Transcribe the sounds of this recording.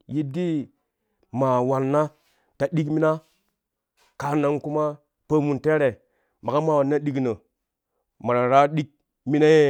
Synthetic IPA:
ji˦di˦ | ma˨wa˨nːa˦ | ta˨ɗi˦kmi˦na˦ | ka˨na˨ŋku˦ma˦ | pə˦mu˨nte˦ɾe˨ | ma˨ɡa˦ma˨wa˨nːa˦ɗi˦knə˨ | ma˨ɾa˨ɾa˦ɗi˦k̚ | mi˦na˦je˦

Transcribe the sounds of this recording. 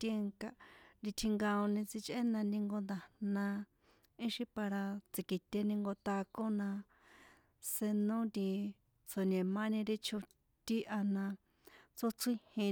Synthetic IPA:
te˧ŋka˧ɾi˧t̪ʰi˧ŋɡã˧o˧nĩ˧t͡si˧t͡ʃʔe˦nã˧nĩ˧ŋɡo˧nd̪a˨nã˧ | ĩ˦ʃi˧pa˧ɾa˧t͡si˨ki˨t̪ʲe˧nĩ˧ŋɡo˧t̪a˧ko˦nã˧ | se˧nõ˦nd̪i˧ | t͡sʰo˧nẽ˨mã˦nĩ˧ɾi˦t͡ʃʰo˧ | t̪i˦ʔa˧nã˧ | t͡so˦t͡sĩ˦hĩ˧

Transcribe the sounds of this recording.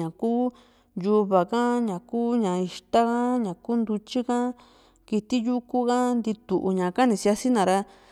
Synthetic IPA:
ã˨kuː˦ | ju˧βa˨kã˦ɲã˨kuː˦ɲã˨i˧ʃt̪a˦kã˦ɲã˨ku˦nd̪u˧t͡ʃi˦kã˦ | ki˧t̪i˦ju˦ku˦ka˦nd̪i˧t̪u˨ʔṵ˧ɲã˨ka˦nĩ˧si˧a˧si˦nã˨ɾa˧

